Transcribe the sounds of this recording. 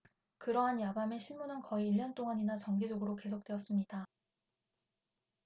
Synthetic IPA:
kɯɾʌɦanjabame̞ɕʰiɭmunɦankʌiːʎːʌnt͈oŋaɲinat͡ɕʌŋɡed͡ʑʌɡɯɾoke̞sʰok̚t͈eʌs͈ɯmɲida

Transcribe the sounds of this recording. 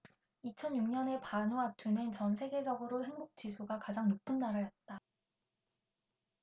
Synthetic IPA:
it͡ɕʰʌnjuŋɲʌne̞panoatʰunent͡ɕʌnsʰe̞ɡe̞d͡ʑʌɡɯɾoɦe̞ŋbok̚t͡ɕ͈isʰuɡakad͡ʑaŋnopʰɯnːaɾajʌt̚t͈a

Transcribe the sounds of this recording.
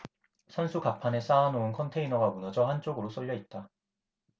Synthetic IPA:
sʰansʰukapʰane̞s͈aːnoɯnkʰʌntʰe̞inʌɡamunʌd͡ʑʌhant͡ɕ͈oɡɯɾos͈ʌʎːjʌit̚t͈a

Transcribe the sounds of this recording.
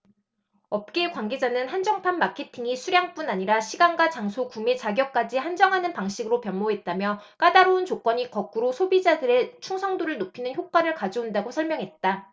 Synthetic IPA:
ʌp̚k͈e̞kwaŋɡe̞d͡ʑanɯnhand͡ʑʌŋpʰanmːakʰe̞tʰiŋisʰuɾjaŋp͈unaɲiɾaɕʰiɡaŋɡat͡ɕaŋsʰokumet͡ɕaɡjʌk̚k͈ad͡ʑihand͡ʑʌŋɦanɯnpaŋɕʰiɡɯɾopjʌmːoɦe̞t̚t͈amjʌk͈adaɾount͡ɕok͈wʌɲikʌk͈uɾosʰobid͡ʑadɯɾet͡ɕʰuŋsʰʌŋdoɾɯɭnopʰinɯnçjok͈waɾɯɭkad͡ʑoundaɡosʰʌɭmjʌŋɦe̞t̚t͈a

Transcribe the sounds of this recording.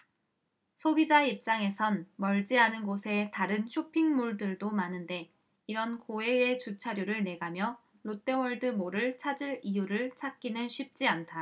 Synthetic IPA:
sʰobid͡ʑaip̚t͡ɕ͈aŋe̞sʰʌnmʌɭd͡ʑianɯnɡosʰe̞taɾɯnɕʰopʰiŋmuɭdɯɭdomanɯnde̞ | iɾʌnkoe̞et͡ɕut͡ɕʰaɾjuɾɯɭne̞ɡamjʌ | lot͈e̞wʌɭdɯmoɾɯɭt͡ɕʰad͡ʑiɾijuɾɯɭt͡ɕʰak̚k͈inɯnɕʰip̚t͡ɕ͈iantʰa

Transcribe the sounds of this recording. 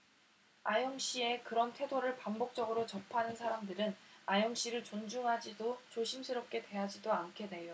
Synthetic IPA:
ajʌŋɕ͈ie̞kɯɾʌntʰwe̞doɾɯɭpaŋbok̚t͡ɕ͈ʌɡɯɾot͡ɕʌpʰanɯnsʰaɾamdɯɾɯnajʌŋɕ͈iɾɯɭt͡ɕond͡ʑuŋɦad͡ʑidot͡ɕoɕʰimsʰɯɾʌp̚k͈e̞twe̞ɦad͡ʑidoankʰe̞ne̞jo

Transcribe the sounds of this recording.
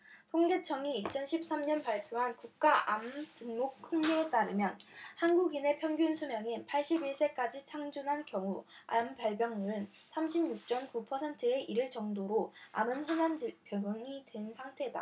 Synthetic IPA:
tʰoŋɡe̞t͡ɕʰʌŋiːt͡ɕʰʌnɕʰip̚s͈amɲʌnpaɭpʰjoɦankuk̚k͈aamt͡ɕɯnmok̚kʰɯŋɲuet͈aɾɯmjʌnhanɡuɡine̞pʰjʌŋɡjunsʰumjʌŋinpʰaɭɕ͈ibiɭs͈e̞k͈ad͡ʑit͡ɕʰaŋd͡ʑunɦankjʌŋua̰mpaɭbjʌŋmuɾɯn | sʰamɕʰimɲuk̚t͡ɕ͈ʌmkupʰʌsʰentʰɯe̞ʔiɾɯɭt͡ɕʌŋdoɾoa̰mɯnɸɯnand͡ʑipjʌɡʌŋidwe̞nsʰaŋtʰe̞da̰

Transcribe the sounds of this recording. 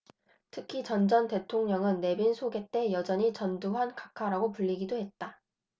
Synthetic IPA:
tʰɯkʰit͡ɕʌnd͡ʑʌnte̞tʰoŋɲʌŋɯnːe̞binsʰoɡe̞t͈e̞jʌd͡ʑʌɲit͡ɕʌnduɦankakʰaɾaɡopuʎːiɡidohe̞t̚t͈a

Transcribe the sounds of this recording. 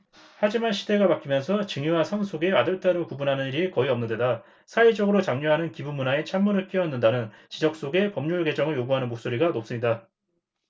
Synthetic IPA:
had͡ʑimanɕʰide̞ɡapak͈ʰimjʌnsʰʌt͡ɕɯŋuwasʰaŋsʰoɡe̞adɯɭt͈aɾokubunɦanɯniɾikʌiʌmnɯnde̞da | sʰaid͡ʑʌɡɯɾot͡ɕaŋɲuɦanɯnkibumunae̞t͡ɕʰamːunɯɭk͈iʌnːɯndanɯnt͡ɕid͡ʑʌk̚s͈oɡe̞pʌmɲuɭɡe̞d͡ʑʌŋɯɭjoɡuɦanɯnmok̚s͈oɾiɡanop̚s͈ɯmɲida

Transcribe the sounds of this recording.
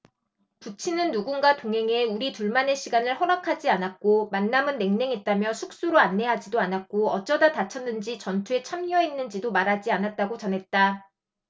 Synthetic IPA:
put͡ɕʰinɯnːuɡunɡatoŋɦe̞ŋe̞uɾituɭmane̞ɕʰiɡanɯɭhʌɾakʰad͡ʑianak̚k͈omanːamɯnːe̞ŋne̞ŋɦet̚t͈amjʌsʰuk̚s͈uɾoanːe̞ɦad͡ʑidoanak̚k͈oʌt͡ɕ͈ʌdatat͡ɕʰʌnːɯnd͡ʑit͡ɕʌntʰue̞t͡ɕʰamɲʌenːɯnd͡ʑidomaɾad͡ʑianat̚t͈aɡot͡ɕʌnɦe̞t̚t͈a

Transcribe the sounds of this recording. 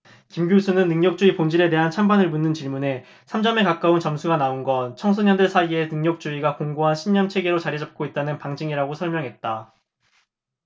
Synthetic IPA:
kimɡjusʰunɯnːɯŋɲʌk̚t͡ɕ͈uipond͡ʑiɾe̞te̞ɦant͡ɕʰambanɯɭmunːɯnt͡ɕiɭmune̞ | sʰamd͡ʑʌme̞kak͈aunt͡ɕʌmsʰuɡanaonɡʌnt͡ɕʰʌŋsʰʌɲʌndɯɭsʰaie̞nɯŋɲʌk̚t͡ɕ͈uiɡakoŋɡoɦanɕʰimɲʌnt͡ɕʰe̞ɡe̞ɾot͡ɕaɾid͡ʑʌp̚k͈oit̚t͈anɯnpaŋd͡ʑiŋiɾaɡosʰʌɭmjʌŋɦe̞t̚t͈a

